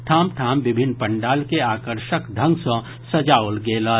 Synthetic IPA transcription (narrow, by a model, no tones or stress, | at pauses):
ʈʰaːmʈʰaːmbɪbʱɪnːpɐɳɖaːlkeaːkəɾʃəkd̪ʱə̃ŋɡsɔ̃ | sɐd͡ʒaːʊlɡeːlə